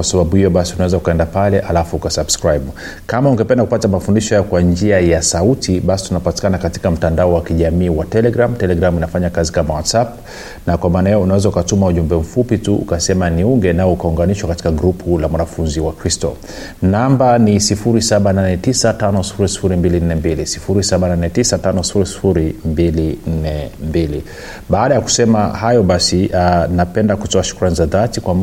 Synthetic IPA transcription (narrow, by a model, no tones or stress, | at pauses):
kwasaɓaɓuhijɔɓasiunawɛzaukaɛndapalɛʔalafuukasabskɾajɓu | kamauŋɡɛpɛndakupatamafundiʃɔjajɔkwand͡ʒiajasautiɓasi̥tunapati̥kanakati̥kam̩tandaɔwakiʄamiːwatɛlɛɡɾamtɛlɛɡɾaminafaɲakazikamawatsap | nakwamaːnajɛɔunawɛzaukatumauʄumbɛm̩fupituṵkasɛmaniuŋɡɛnaɔukauŋɡaniʃwakati̥kaɡɾupʰulamwanafunziwakɾistɔ̰ | nambanisifuɾisaɓananɛtisatanɔsi̥fuɾisi̥fuɾimbilin̩nɛmbilisi̥fuɾisaɓananɛtisatanɔsi̥fuɾisi̥fuɾimbilin̩nɛmbili | ɓaːɗajaku̥sɛmahajɔɓasinapɛndakutɔaʃu̥kuɾanizaðatikwam